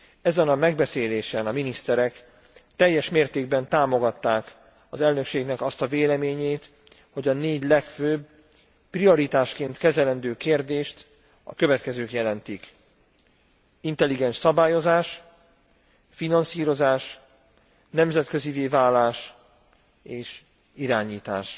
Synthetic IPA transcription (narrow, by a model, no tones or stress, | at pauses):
ɛzɛnɒmɛɡ̚bɛseːleːʃɛnɒminist̪ɛɾɛk | t̪ɛjːɛʃmeːrt̪eːɡbɛnt̪aːmo̞ɡɒt̪ːaːk | ɒzɛlnø̞kʃeːɡnɛkɒst̪ɒveːlɛmeːɲeːt̪ | ho̞ɟɒneːɟlɛkføːb | prio̞ɾit̪aːʃkeːnt̪kɛzɛlɛnd̪øːkeːrd̪eːʃt̪ | ɒ̰køvɛt̪kɛzøːkjɛlɛnt̪ik | int̪ɛlːiɡɛnʃsɒbaːjo̞zaːʃ | finɒnsiːɾo̞zaːʃ | nɛmzɛt̪køziveːvaːlːaːʃ | eːʃ | iɾaːɲiːt̪a̰ːʃ